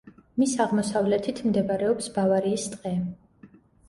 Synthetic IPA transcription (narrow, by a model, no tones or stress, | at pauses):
misaʁmɔsavlɛt̪ʰit̪ʰmd̪ɛbaɾɛɔpsbavaɾiːst̪ʼqʼɛ